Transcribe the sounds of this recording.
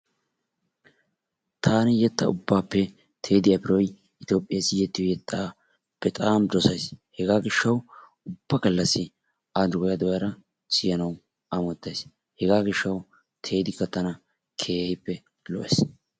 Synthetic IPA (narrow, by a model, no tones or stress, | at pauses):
t̪ʰaːnɪjɛt̪ːɐʊbːaːpːɛ | t̪ʰe̞ːd̪ɪɐpɪɾɔj | ɪt̪oːpʼːɪjasɪjɛt̪ːɪjɔjɛt̪ːa | pːɛt̪ʼaːmd̪ɔsɐjshɛɡaːɡɪʃːɐw | ʊbːɐɡɐlːɐsːɪ | ad̪ʊɡɔjɐd̪ɔjɐɾɐ | sɪjɐnɐw | ɐmɔt̪ːɐjs | hɛɡaːɡɪʃːɐw | t̪ʰe̞ːd̪ɪkːɐt̪ɐnɐ | kʰe̞ːhɪpːɛ | lɔ̰ʔɛs